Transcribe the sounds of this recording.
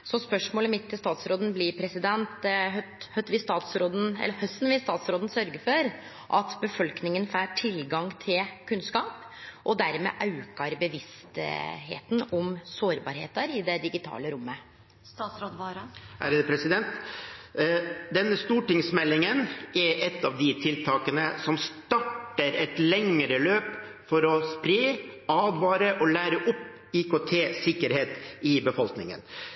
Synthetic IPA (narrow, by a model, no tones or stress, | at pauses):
sɔspœʂmoːləmɪt̪ʰːɪlst̪ɑːt̪sɾoːd̪ən̩blɪɾpʰɾɛsɪd̪ɛnt̪ɦœt̪hœt̪ʋɪst̪ɑːt̪sɾoːd̪n̩ɛ̰lːəhœst̪n̩ʋɪst̪ɑːt̪sɾoːd̪ən̩sœɾɡəɾfɔɾ | ʔɑt̪bəfɔlknɪŋənfæːʈʰɪlɡɑŋt̪ʰɪlkʰʉnskɑːp | ʔɔd̪æɾmɛ̰ːʔɑʉkɑɾbəʋɪst̪ɦḛːt̪nɔmsoːɾbɑ̰ːɾhḛːt̪əɾɪd̪ɛd̪ɪɡɪt̪ʰɑ̰ːləɾʊmːə | t̪ɑsɾod̪ʋɑɾhæ̰ɾəd̪əpʰɾɛsɪd̪ɛnt̪ | d̪ɛnːəst̪uːʈɪŋsmɛlːɪŋənɛɾʔɛt̪ːɑːʋd̪ɪt̪ʰɪlt̪ʰɑːkənəsɔmst̪ɑʈːəɾɛt̪lɛŋəɾəløːp | fɔɾɔspɾeːɑːd̪ʋɑːɾəʔɔlæːɾəʔʊpː | iːkot̪ʰeːsɪkːəɾheːt̪ɪbəfɔlknɪ̰ŋə̰n